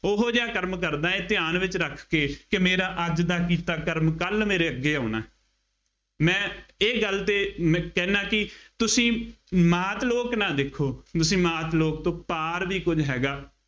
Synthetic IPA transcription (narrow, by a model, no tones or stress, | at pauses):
ʊɦod͡ʒeaːkəɾmkəɾd̪aːẽːt̪ɪjaːnʋɪt͡ʃɾəkʰkeːkɪmeːɾaːʔəd͡ʒd̪aːkiːt̪aːkəɾmkəlmeːɾeːəɡːeːaːna̰ː | mɛ̃ːeːɡəlt̪eːmkɛːnaːkɪt̪ʊsĩːmaːt̪loːknãːd̪eːkʰːoːt̪ʊsĩːmaːt̪loːk̚t̪õːpaːɾʋiːkʊd͡ʒɦɛːɡaː